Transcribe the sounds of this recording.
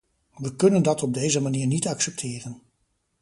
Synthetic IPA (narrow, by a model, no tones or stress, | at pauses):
ʋəkɵnəndɑtɔb̚dejzəmaniːɹnitɑksɛp̚tʰɪːrən